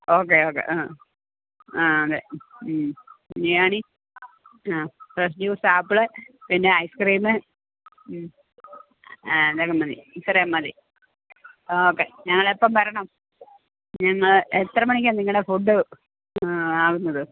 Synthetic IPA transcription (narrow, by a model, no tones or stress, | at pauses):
oːk̬ːeoːkːḛʔaː | aːɐðe | ɲijaːɳi | aːprɐs̬duːsaːpːɨɭepinːeɐjskriːmɨ | d̪eːkːɐmːɐðḭsɐɾijamːɐði | oːkːeɲɐŋːɐɭepːɐmʋɐɾɐɳɐm | ɲɐŋːɐɭet̪rɐmɐɳikʲːanːiŋːɐɭefuɖːɨ | aːɣunːɐðɨ